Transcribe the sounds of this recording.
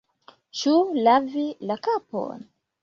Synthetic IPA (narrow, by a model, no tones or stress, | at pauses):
t͡ʃulavilakapo̰n